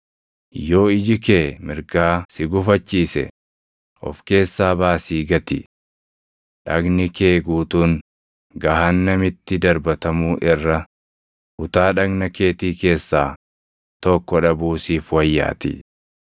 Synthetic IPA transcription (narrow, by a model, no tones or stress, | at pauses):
jo̞ːɪd͡ʒɪkeːmɪɾɡaːsɪɡʊfɐt͡ʃːiːsɛ̰ | ʔɔ̰fke̞ːsːaːbaːsiːɡɐt̪ɪ | ᶑɐɡnɪkeːɡuːt̪uːŋ | ɡɐɦanːɐmɪt̪ːɪd̪ɐɾbɐt̪ɐmuːʔɪrːɐ | ʔʊt̪aːᶑɐɡnɐke̞ːt̪iːke̞ːsːaː | t̪ɔkːɔᶑɐbuːsiːfwɐjːa̰ːt̪ɪ̰